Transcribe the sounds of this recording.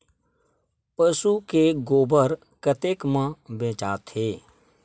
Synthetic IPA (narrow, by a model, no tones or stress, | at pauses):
pəsukeɡoːbəɾ | kət̪eːkmãbẽːt͡ʃaːt̪heː